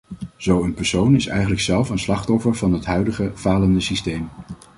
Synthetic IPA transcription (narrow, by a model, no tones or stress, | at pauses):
z̥owənpɛɹsownɪsɛ̰jχənləksɛlˠfənslɑχtɔfəɹvɑnɦətɦœɥdəχəv̥aːləndəsistejm